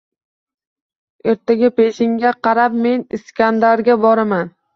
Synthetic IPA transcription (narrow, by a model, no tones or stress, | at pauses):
e̞ɾt̪ʰaɡʲape̞ʃɪŋɡʲaqʰɑɾap̚me̞nɪskʲand̪aɾɡʲabɒɾaman